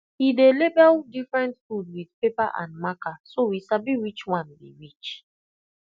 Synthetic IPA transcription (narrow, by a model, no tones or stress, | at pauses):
hidelebɛldifɹɛ̃ntfudwidpepaʔã̰ndmakasowisabiwit͡ʃwãndḭɹit͡ʃ